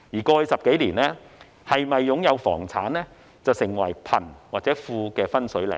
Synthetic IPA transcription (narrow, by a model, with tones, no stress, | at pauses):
jiː˨˩kɔː˧sɐ˨p̚ke˨˥jliː˨˩nɛː˥ | hɐ˨jmɐ˨jːʊ˨˥ŋjɐ˨˧wfɔ̰ː˨˩ŋt͡sʰaː˨˥nlɛː˥ | t͡sɐ˨wsɪ˨˩ŋwɐ˨˩jpʰɐ̰˨˩nwaː˨k̚t͡sɛː˨˥fuː˧kɛː˧fɐ˥nsɵ˨˥ɥlɛ̰˨˩